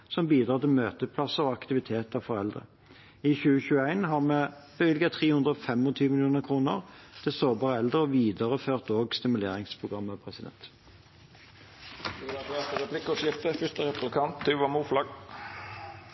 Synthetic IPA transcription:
sɔmbiːd̪ʁɑːt̪ɪlmøːt̪əpʰlɑsəʁɔɑkt̪ɪʋɪt̪ʰeːt̪ɑʋfɔʁɛld̪ʁə̰ | ɪçʉːəçʉːəæɪnɦɑʁmɛb̥əʋɪlɡɑt̪ʰʁeːhʉnd̪ʁəɔfɛmɔt̪ʰyːʋəmɪlɪjuːnəʁkʰʁuːnə̰ʁt̪ʰɪsoːbɑːʁəɛld̪əɾɔʋiːd̪əʁəføːʁt̪oːɡst̪ɪmʉlḛːʁɪŋspʰʁʊɡʁɑmːəpʰʁɛsɪd̪ɛ̰nt̪ | d̪ʉʋɑʋeːt̪əɾɛplɪkːəɔsjɪft̪əfʏst̪əɾɛplɪkʰɑnt̪d̪ʉʋɑmuːflɑɡ

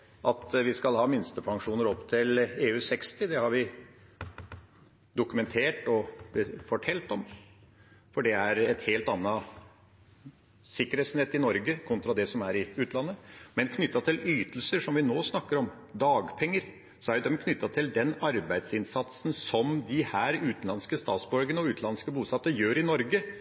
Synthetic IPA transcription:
ʔɑt̪ʋɪskɑlhɑːmɪnst̪əpʰɑŋʂuːnəɾɔpt̪ʰɪleːʉːsɛkst̪ɪd̪ɛhɑɾʋɪ | d̪ʊkʉmɛnt̪ʰeːʈɔfɔʈʰɛlt̪ɔm | fɔɖɛæɾɛt̪heːlt̪ɑnːɑ | sɪkːəɾeːt̪snɛt̪ːɪnɔɾɡəkʰɔnt̪ɾɑd̪ɛsɔmæɾɪʉːt̪nlɑnːəmɛnkʰnʏt̪ːɑt̪ʰɪlyːt̪l̩səʂɔmʋɪnoːsnɑkːəɾɔm | d̪ɑːɡpʰɛŋːəɾ | sɔæɾjd̪ɛmkʰnʏt̪ːɑt̪ʰɪld̪ɛnɑɾbæɪd̪sɪnsɑt̪sn̩sɔmd̪ɪhæːɾʉːt̪nlɑnskəst̪ɑ̰ːt̪sbɔɾɡənɔʉːt̪lɑnskəbuːsɑt̪ːəjøːɾɪnɔɾɡə

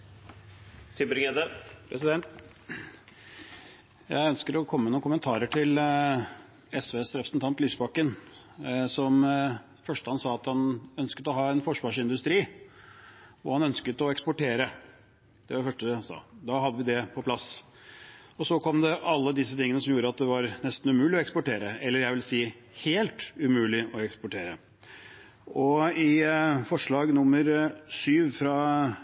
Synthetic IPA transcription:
t̪ʰʏbɾɪŋed̪əpʰɾɛsɪd̪ɛnt̪ | jæ̰ɪœnskəɾɔkʰɔmːənuːnkʊmːənt̪ʰɑːɾəʈɪl | ɛsʋeːsɾɛpɾə̥sn̩t̪ʰɑnt̪lyːsbɑkːən | sɔm | fœʂʈəhɑnsɑːɑt̪hɑnœnskət̪ɔɦɑːɛnfɔʂʋɑːʂɪnd̪ʉst̪ɾiː | ʋʊ̰ɾhɑnœnskət̪ɔɛkspɔʈeːɾə | d̪̥ɛʋɑɖɛfœʂʈəhɑnsɑ̰ːd̪ɑɦɑd̪ːəʋɪd̪ɛpʰɔpʰlɑs | ɔsɔkʰɔmd̪ɛʔɑlːəd̪ɪsət̪ʰɪŋənəsɔmjuːɾəɑt̪̚d̪ɛʋɑɾnɛst̪n̩ʉmʉːlɪɔɛkspɔʈeːɾəɛlːəɾjæɪʋɪlsiː | heːlt̪ʉmʉːlɪʔɔɛkspɔʈʰeːɾə | ɔɪfɔʂɭɑːɡnʊmːəɾsyːʋfɾɑ

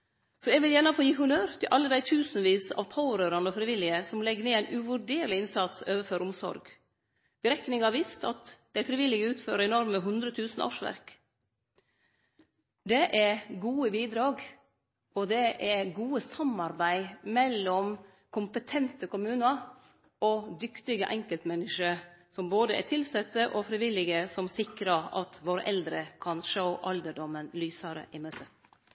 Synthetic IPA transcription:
sɔɛɡʋɪljæːnəfoːjiːhʊnøːɾt̪ʰɪlʔɑlːəd̪æɪt̪ʰʉːsnʋiːsɑ̰ʋpʰɑʊɾøːɾɑnɔfɾɪʋɪlːɪəsɔmlɛɡəneːæɪnʔʉʋʉɖeːɾlɪɪnsɑt̪søːʋəføːɾʊmsɔ̰ɾɡ | b̥əɾɛknɪŋɑʋist̪ʰɑ̰t̪d̪æɪfɾɪʋɪlɪɡəʉːt̪føːɾəɛnɔɾməɦʉnd̪ɾət̪ʰʉːsn̩ʔɑ̰ʂʋæ̰ɾk | d̪ɛʔɛɡuːəbiːd̪ɾɑːɡ | ɔd̪ɛʔɛɡuːəsɑmɑɾbæɪmɛlːɔm | kʰʊmpət̪ʰɛnt̪əkʰʊmʉːnəɾ | ɔd̪ʏkt̪ɪɡəʔɛŋkəlt̪mɛnːɪʂəsɔmboːd̪əæ̰tʰɪlsɛt̪ːəʔɔfɾɪʋɪlɪɡəsɔmsɪkɾəɑt̪ʋoːɾəʔɛld̪ɾəkʰɑnʂəʊʔɑld̪əɖɔmːənlyːsɑɾə̰ʔɪmøːt̪ʰə

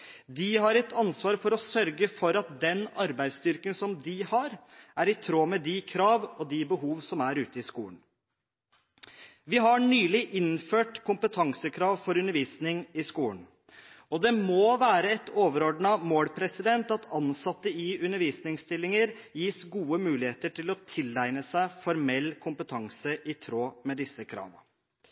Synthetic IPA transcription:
d̪ɪɦɑɾɛt̪ɑnsʋɑːɾfɔɾɔsœɾɡəfɔɾɑt̪̚d̪ɛnɑɾbæɪd̪st̪ʏɾkənsɔmd̪ɪhɑɾʔæɾɪt̪ʰɾoːmɛd̪ɪkʰɾɑːʋɔd̪ɪbəɦuːʋsɔmæɾʉːt̪əɪskṵːəɳ | ʋɪɦɑɳyːlɪʔɪnføːʈkʰʊmpət̪ʰɑŋsəkʰɾɑːʋfɔɾʉnəɾʋiːsnɪŋɪskuːəɳ | ɔd̪ɛmoːʋæːɾəɛt̪ʰoːʋəɾɔɖɳɑmoːlpʰɾɛsɪd̪ɛnt̪ɑt̪ʰɑnsɑt̪ːəɪʉnəɾʋiːsnɪŋst̪ɪlːɪŋəɾjiːsɡuːəmʉːlɪheːt̪əʈʰɪlɔt̪ʰɪlæɪnəsæɪfɔɾmɛlːkʰʊmpət̪ʰɑŋsəʔɪt̪ʰɾoːmɛd̪ɪsːəkʰɾɑ̰ːʋə

